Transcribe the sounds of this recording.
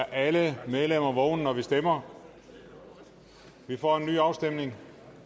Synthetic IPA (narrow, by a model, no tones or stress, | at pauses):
ʔæləmeð̞ˠlem̰ɐʋɔʊnnɒʋisd̥emɐ | ʋifɒ̰ːe̝nːy̰ːɑ̈ʊsd̥emne̝ŋ